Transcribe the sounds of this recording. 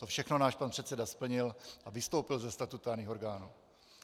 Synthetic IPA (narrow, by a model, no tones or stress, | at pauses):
t̪ofʃɛxno̞naːʃpanpr̥ɛt̪sɛdaspl̩ɲɪlʔavɪst̪o̞wpɪlzɛst̪at̪ut̪aːɾɲiːxoɾɡaːnuː